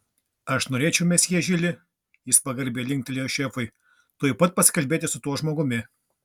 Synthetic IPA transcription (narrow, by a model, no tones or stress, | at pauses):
ɐʃnoːɾʲeːt͡ʃʲɛʊmʲɛsjiɛʒʲɪlʲɪ | jɪspɐɡɐɾʲbʲeːlʲɪŋkt̪ʲlʲijoʃʲefɐɪ | t̪oɔjpɐt̪̚pɐsʲɪ̥kɐlʲbʲeːt̪ʲɪsʊt̪uɔʒmoːɡʊmʲɪ